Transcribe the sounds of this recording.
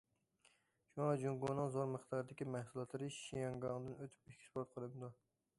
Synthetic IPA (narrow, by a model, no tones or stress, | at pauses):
ʃuŋɑd͡ʒuŋɡunɨŋzoɾməχt̪ʰɑɾd̪ɪkʲimæhsulˠɑt̪lˠɨɾɨʃijɑŋɡɑŋd̪ɨnøt̪ʰy̥p̚ikʲʰi̥spoɾt̪̚qʰəlˠɨmd̪u